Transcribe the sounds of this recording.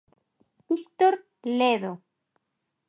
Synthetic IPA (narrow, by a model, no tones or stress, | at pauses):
bik̚t̪oɾ | leðo